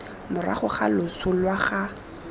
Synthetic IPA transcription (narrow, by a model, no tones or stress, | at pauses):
mʊra̰χʊχalʊt͡sʰʊlwaχa